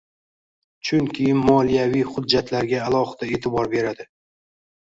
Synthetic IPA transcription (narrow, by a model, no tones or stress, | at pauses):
t͡ʃʰʊŋkʲʰɪnmɒlˠijavijχʊd̪d͡ʒːat̪ʰlaɾɡʲaːlˠɒχɨd̪̥ae̞ːt̪ʰɪbɒɾbe̞ɾad̪ɪ